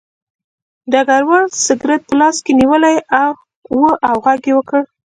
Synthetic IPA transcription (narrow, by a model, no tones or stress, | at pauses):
d̪aɡaɾwaɽsɪɡɾat̪̚pəlɑskeniwəlajaw | wəʔawɣaɡewəkəɽ